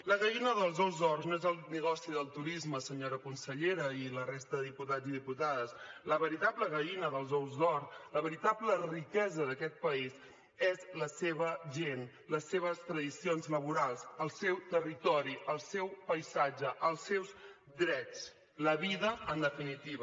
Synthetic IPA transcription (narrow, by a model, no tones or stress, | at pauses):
ləɣəinəðəlˠzɔwzðɔrznoɛzəlˠnəɣɔsiðəlˠt̪uɾizməsəɲoɾəkunsəʎeɾəilərest̪əðəðiput̪ad͡ziðiput̪aðəsləβəɾit̪abləɣəinəðəlˠzɔwzdɔrsləβəɾit̪ablərikɛzəðəkɛt̪̚pəiz | ɛzləseβəʒen | ləsːeβ̞əst̪ɾəðisionzləβuɾalˠsəlˠsɛwt̪ərit̪ɔɾiʔəlˠsɛwpəjsad͡ʒəʔəlˠsɛwz | d̪ɾɛt͡s | ləβiðəənd̪əfinit̪iβə